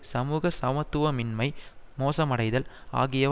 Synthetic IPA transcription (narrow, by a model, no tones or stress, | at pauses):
sɐmuːɣɐsɐmɐt̪ːʊʋɐmɪnmɐɪmoːsɐmɐɽɐɪðɐla̰ːɣɪjɐ